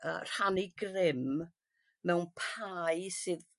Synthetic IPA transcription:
ə̰r̥haniɡrɪm | mɛwnpʰajsɨð

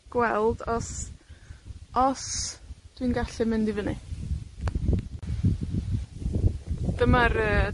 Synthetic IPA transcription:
ɡ̥wɛlˠdɔs | ɔsd̥winɡaɬɛmɪndivəni | d̥əmaɾəː

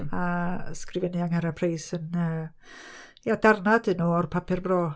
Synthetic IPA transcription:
askrɪvɛniaŋhaɾapʰrejsənə | jadarnadɨnuːɔrpʰapʰɪrbrɔː

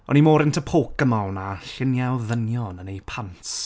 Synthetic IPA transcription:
ɔ̰nimoːɾɪntʰəpʰoːk̚əmalnaɬɪnjawðənjɔnənejpʰant

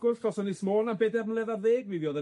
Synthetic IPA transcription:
ɡʊ̥ɔsɔnɪsmoːnambedɛrəm̩lˠɛðaðeːɡviðjɔðə

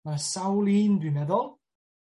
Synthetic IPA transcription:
asawliːndymɛðɔlˠ

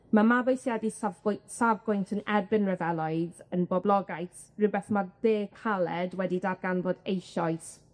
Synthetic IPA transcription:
mamabojsjadisavʊsavɡʊjntʰənɛrbɪnrəvɛlˠɔɨðənbɔblˠɔɡajθ | rɨbɛθmaðeːkʰalˠɛdwɛdidarɡanvɔdejʃɔɨθ

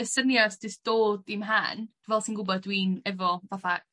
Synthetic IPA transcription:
əsənjɔsdɪsd̥oːdimɦa̰nd̥vɛlˠsinŋɡubɔdwiːnɛvɔvaθa

